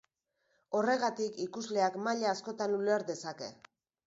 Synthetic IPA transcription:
o̞re̞ɣat̪ikikuzle̞akmaʎaːsko̞t̪anuleɾðe̞sake̞̰

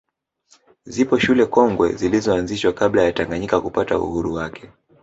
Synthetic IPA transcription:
zipɔʃulɛkɔŋɡwɛ̰zilizɔanziʃwakablajataŋɡaɲikakupata̰ṵhuɾuwakʰɛ̥

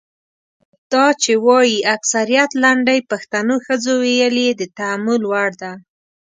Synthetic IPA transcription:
d̪̥ɑt͡ʃewɑjiaksaɾijat̪laɳɖajpaxt̪anoxəzowejəled̪ət̪aamʊlwaɽd̪a

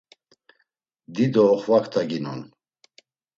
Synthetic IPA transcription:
d̪id̪ɔːχvakʰt̪ʰaɡinun

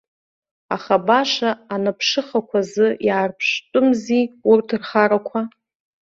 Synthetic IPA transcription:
aχabaʂaːnapʰʂɨχakʷʰazɨjaːrpʰʂtʼʊmziurtʰɨrχaɾakʷʰa

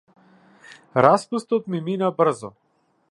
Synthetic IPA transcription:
ɾaspust̪ɔt̪miminabr̩zɔ

